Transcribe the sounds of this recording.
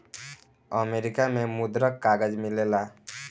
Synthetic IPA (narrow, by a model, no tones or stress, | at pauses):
əmeɾikamẽmud̪ɾəkːaɡəd͡ʒmilela